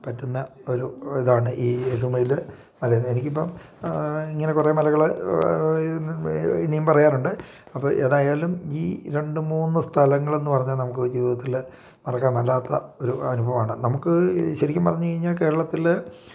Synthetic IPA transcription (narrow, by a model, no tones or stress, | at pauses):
pɐtːunːɐo̞ɾuiðaːɳɨʔiːɾumɐjil | mɐlɐjunːe̞nikʲːipːom | iŋːɐne̞kure̞ːmɐlɐɣɐɭ | inijumpɐrɐjaːnuɳɖɨ | ɐpːɐːʔe̞ːðaːjaːlumiːɾe̞ɳɖɨmuːnːɨst̪ʰɐlɐŋːɐɭe̞nːɨpɐrɐɲːaːlnɐmuk̬ːɨd͡ʑiːʋiðɐt̪ːil | mɐrɐkːaːnɐlːaːt̪ːɐo̞ɾuɐnubʱɐʋaːɳɨnɐmukːɨɕɐɾikʲːumpɐrɐɲːukɐɻiɲːaːlke̞ːɾɐɭɐt̪ːil